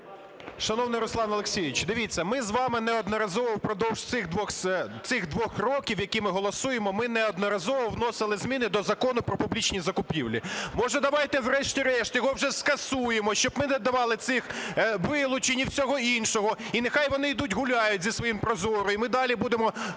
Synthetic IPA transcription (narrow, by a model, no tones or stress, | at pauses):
ʃɐnɔwnɪjɾʊslˠɑnɐlˠekʲsʲijɪt͡ʃd̪ɪʋʲit͡sʲːɐmɪzʋɑmɪnɛɔd̪nɐɾɐzɔʋɔwpɾɔd̪ɔwʒ̥t̪sɪxd̪ʋɔxt̪sɪxd̪ʋɔxrɔkʲiwjɐkʲimɪɦɔlˠɔsujemɔmɪnɛɔd̪nɔɾɐzɔʋɔwnɔsɪlˠɪzmʲinɪd̪ɔzɐkɔnʊpɾɔpʊblʲit͡ʃnʲizɐkʊpʲḭwlʲḭmɔʒɐd̪ɐʋɑjt̪ɛwɾɛʃtʲiɾɛʃt̪jɔɦɔwʐɛskɐsujemɔʃt͡ʃɔbmɪnɛd̪ɐʋɑlˠɪt̪sɪxʋɪlˠʊt͡ʃenʲiwsʲɔɦɔinʃɔɦɔinexɑjʋɔnɪid̪utʲɦʊlʲajʊtʲzʲisʋɔjimpɾɔzɔɾʊimɪd̪ɑlʲibud̪emɔ